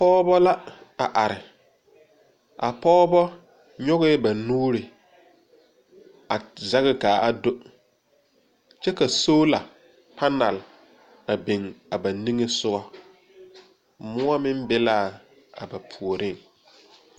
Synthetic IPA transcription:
pɔː˦bɔ˦la˦a˨ʔa˨ɾɪ˨ | ʔa˨pɔː˦bɔ˦ | ɲɔ˦ɣɪ˦ba˨nuː˦ɾɪ˨ | a˨za˦ɣɪ˦˨kaː˨ʔa˨do˦ | t͡ʃɛ˦ka˨so˦la˨ | pa˦na˨l | a˨bɪ˨ŋa˨ba˨ni˦ŋɪ˦sʊ˦ɣɔ˦ | mʊ˦a˦mɪ˦mbɪ˦laː˦˨ | a̰˨ba˨pʰu˨o˨ɾɪ˦˨ŋ

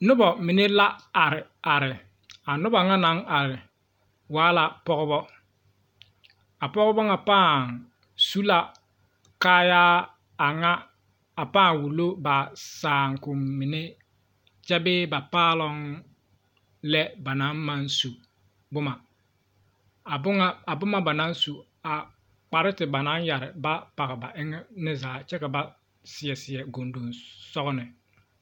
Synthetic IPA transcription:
nʊ˦bɔ˨mɪ˨ne˦la˦a˨ɾɪ˨a˨ɾɪ˨ | a˨nʊ˦ba˨ŋa˦na˨˦ŋa˨ɾɪ˨ | waː˨˦la˨pɔ˦ɣɪ˦bɔ˦ | a˨pɔ˦ɣʊ˦bɔ˦ŋa˨paː˦˨ŋ | su˦la˨ | kaː˦jaː˦ | a˨ŋa˦ | a˨paː˦˨ŋwu˨lo˦ba˨saː˨ŋ˨kʊ˨mmi˨ne˦ | t͡ʃɛ˦bɪː˦ba˨paː˦lɔ˦ŋ | lɛ˦ba˨na˦nma˦nsu˨ | bʊ˦ma˨ | a˨bʊ˦ŋa˦a˨bʊ˦ma˦ba˨na˨˦nsu˨ | a˨ | k͡pa˨ɾɪ˦tɪ˨ba˨na˨˦nja˨ɾɪ˨ba˦pa˨ɣɪ˨ba˨ʔɪ˦ŋɛ˦nɪ˦zaː˨˦t͡ʃɛ˦ka˨ba˦ | sɪ˨jɛ˨sɪ˨ɛ˨ɡo˨ndo˨nsɔ˦ɣnɪ˨

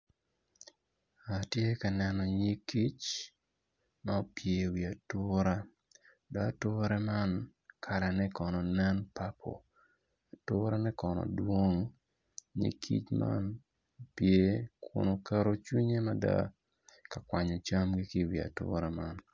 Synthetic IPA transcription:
a˨tje˦ka˨nɛ˦nɔ˨ɲi˦ki˦t͡ʃ | ma˦pje˨wi˨a˨tʊ˦ɾa˦ | da˦tʊ˦ɾɛ˦ma˦nkʰa˨ɾɛ˨nɛ˦kɔ˨nɔ˨nɛ˦npa˦pʰɔ̰˨ | a˨tʊ˦ɾa˦nɛ˦kɔ˨nɔ̰˨dwo˦ŋ | ɲḭ˦kʰḭ˦t͡ʃma̰˦n | pje˨˦kʰʊ̰˨no˨ka˦ɾo˦t͡ʃwi˦ɲe˦ma˦da̰ | ka˨kwaɲɔ˨t͡ʃa˦mɡi˦kɪ˦wi˨a̰˨tʊ̰˦ɾa˦man

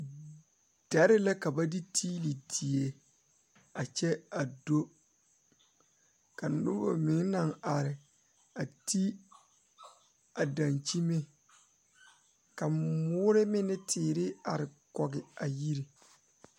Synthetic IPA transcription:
d̥a˨˦ɾɪ˦la˦ka˨ba˦di˦tʰiː˦li˨di˨e˨ | a˨t͡ʃɛ˦a˨do˦ | ka˨nʊ˦bo̰˨mɪ˨˦ŋ˦na˨ŋa˨ɾɪ˨ | a˨tʰi˦ | a˨da˨nt͡ʃi˦me˦ | ka˨mʊː˦ɾɪ˦mɪ˦nɪ˦tʰɪː˨ɾɪ˦a˨ɾɪ˨kɔ˨ɡɪ˨a˨ji˦ɾi˨

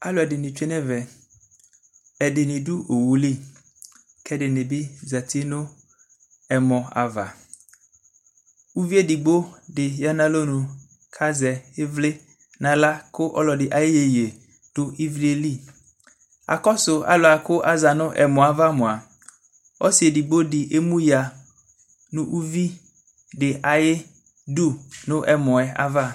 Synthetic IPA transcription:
a˦lʊ˨ɛ˨dɪ˨nɪ̃˨t͡ʃᶣe˦nɛ̃˦vɛ˨ | ɛ˨dɪ˨nɪ̃˨dʊ˦o˨wu˨li˦˨ | kʰɛ˦dɪ˨nɪ̃˨bɪ˦za˨t̪ʰi˦nʊ̃˦ | ɛ˨mɔ̃˨a̰˨va̰˨ | wu˦vi˦e˦di˨ɡ͡bo˦dɪ˨ja˦nã˦lo˦nũ˨ | kʰa˦zɛ˨ɪ˦vlɪ˦ | nã˨la˦kʊ˦ʔɔ̰˦lɔ˨dɪ˨ʔa˨jɪ˦je˨je˨ | d̥ʊ˦ʔi˦vɾe˨li˦˨ | a̰˨kɔ˦sʊ˨a̰˦lʊ˨a˨kʊ˦ʔa˦za˨nʊ̃˦ʔɛ̰˨mɔ̃˨a˨va˦mɔ̃˨a˨ | ɔ˦si˨e˨di˨ɡ͡bo˦dɪ˨ʔe˦mũ˦ja˨ | nũ˦ʔu˦vi˦ | dɪ˨ʔa˨jɪ˦ | du˦nʊ̃˦ʔɛ˨mɔ̃˨ɛ˨a̰˦va˦

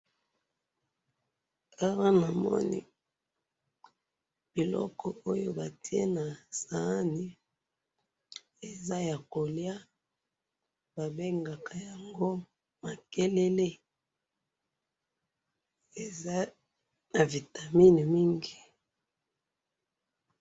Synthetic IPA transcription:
a˦ʁa˦na˨mɔ̰˦nḭ˦ | b̥i˨lɔ̰˦kʰɔ˨o˦jo˦ba˨tʰi˦e˦na˨sa˨˦ni˦ | e˨za˦ja˨ko˨lja˦ | ba˨be˦ŋɡa˨kʰa˨ja˨ŋɡo˦ | ma˨ke˦le˦le˦ | e˨za˦ | na˨vi˨ta˨mi˦ni˨mi˦ŋɡi˨

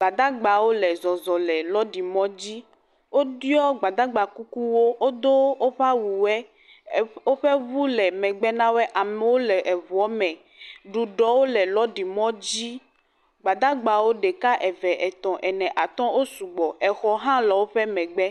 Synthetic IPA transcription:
ɡ͡ba˨d̪a˦ɡ͡ba˨wo˦lɛ˨zɔ˨zɔ˨lɛ˨lɔ˦ɖi˨mɔ̃˦d͡ʑi˦ | wo˦d̪i˦ɔ˦ɡ͡ba˨d̪a˦ɡ͡ba˨ku˦ku˦wo˦wo˦d̪o˦o˦ɸa˦wu˨wɛ˦ | o˦ɸɛ˦βu˦lɛ˨mɛ̃˨ɡ͡bɛ˦nã˦wɛ˦ʔa˨mɛ˨wo˦lɛ˨ʔɛ˨vu˨ɔ˦mɛ̃˨ | ɖu˨ɖɔ˨wo˦lɛ˨lɔ˦ɖi˨mɔ̃˦d͡ʑi˦ | ɡ͡ba˨d̪a˦ɡ͡ba˨wo˦ɖe˨ka˦ʔɛ˨vɛ˨ʔɛ˨t̪ɔ̃˨ʔɛ˨nɛ̃˨ʔa˨t̪ɔ̃˦wo˦su˨ɡ͡bɔ˨ɛ˨xɔ˨ɦã˦lɔ˨wo˦ɸɛ˦mɛ̃˨ɡ͡bɛ˦

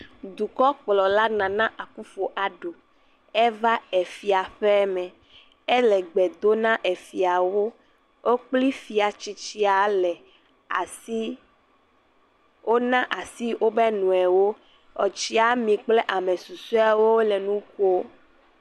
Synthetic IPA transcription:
d̪u˨kɔ˦k͡plɔ˨la˦nã˨nã˦ʔa˨ku˦fo˨ʔa˨ɖo˨ | ɛ˦va˦ɛ˨fi˨a˨ɸɛ˦mɛ̃˨ | ɛ˦lɛ˨ɡ͡bɛ˨d̪o˦nã˦ʔɛ˨fi˨a˨wo˦ | o˦k͡pli˦fi˨a˨t͡ɕi˦t͡ɕi˦a˨lɛ˨ | a˨i˦ | o˦nã˦ʔa˨si˦wʔo˦bɛ˦nũ˨ɛ˨wo˦ | ɔ˨t͡ʃi˦a˨mĩ˨k͡plɛ˦ʔa˨mẽ˨su˨su˦a˨wo˦wo˦lɛ˨nũ˦ko˦

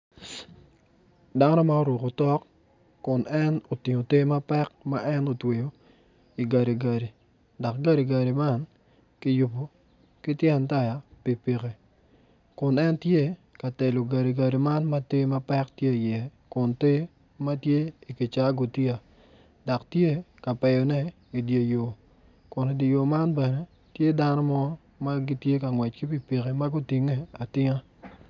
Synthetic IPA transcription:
da˦nɔ˦ma˦o˦ɾo˨ko˨tɔ˦kː | ʊ˨nɛ˦no˨tɪ˨ŋo˨te˦ma˦pɛ˦k̚ma˦ʔɛ˦no˨twe˨jo˨ | i˨ɡa˨ɾe˨ɡa˨ɾi˨ | dɔ˨k̚ɡa˦ɾe˨ɡa˨ɾi˨ma˦n | kɪ˦ju˨po˨ | ki˦tje˦a˨nta˦ja˨pi˨pi˨ke˨ | kʊ˨nɛ˦ntje˦ka˨te˨lo˨ɡa˨ɾi˨ɡa˨ɾi˨ma˦nma˦te˦ma˦pɛ˦ktje˦˨jɛ˨kʊ˨nte˦ | ma˦tje˦i˨ki˨t͡ʃa˦ɡʊ˨ti˦a˨ | dɔ˨ktje˦ka˨pɛ˨jɔ˨nɛ˦ | i˨dje˨jo˨ | kʊ˨ni˨de˨jo˨ma˦nbɛ˨ne˨ | tje˦da˦nɔ˦mɔ˦ | ma˦ɡi˦tje˦ka˨ŋwɛ˨t͡ʃki˦pi˨pi˨ke˨ma˦ɡʊ˦ti˨ŋe˦a˨tɪ˦ŋa˦

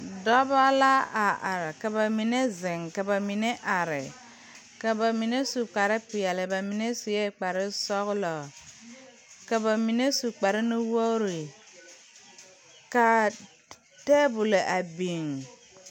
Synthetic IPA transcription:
dɔ˦ba˦la˦a˨ʔa˨ɾɪ˨ka˨ba˨mi˨ne˦zɪ˨ŋka˨ba˨mi˨ne˦ʔa˨ɾɪ˨ | ka˨ba˨mi˨ne˦su˨k͡pa˨ɾɪ˦pɪ˨jɛ˨lɪ˨ba˨mi˨ne˦su˨je˦˨k͡pa˨ɾɪ˦sɔ˦ɣʊ˦lɔ˨ | ka˨ba˨mi˨ne˦su˨k͡pa˨ɾɪ˦nɪ˦wo˦ɾi˨ | ka˨ | tɛː˦bʊ˨le˨ʔa˨bi˨ŋ

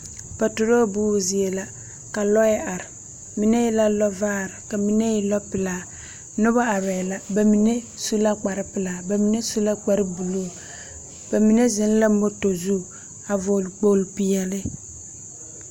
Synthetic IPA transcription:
pa˨tʊ˨ɾo˦buː˦˨zi˨e˨la˦ | ka˨lɔ˦jɪ˦ʔa˨ɾɪ˨ | mi˨˦ne˦jɪ˦la˦lɔ˦vaː˦˨ɾɪ˨ka˨mi˨ne˦jɪ˦lɔ˦pɪ˨laː˨ | nʊ˦βa˦a˨βɛ˨la˦ba˨mi˨ne˦ | su˦la˦k͡pa˨ɾɪ˦pɪ˨laː˨ba˨mi˨ne˦su˦la˦k͡pa˨ɾɪ˦bu˨luː˦˨ | b̥a˨mi˨ne˦zɪ˨n˦la˦mo˦to˨zu˦˨ | a˨vo˨lk͡po˨lpi˦jɛ˨lɪ˦

